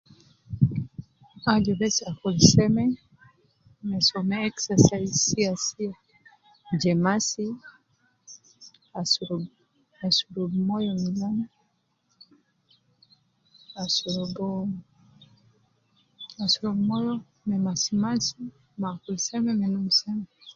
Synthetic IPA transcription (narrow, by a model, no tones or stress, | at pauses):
ad͡ʒɔbɛsakulsɛmɛ | mɛsɔmɛɛksasaisiasia | d͡ʒɛmasi | asu | asuɾobmɔjɔmilanɔ | asuɾobɔ | asuɾobmɔjɔ | mɛmasimasi | makolsɛmɛmɛnumsɛmɛ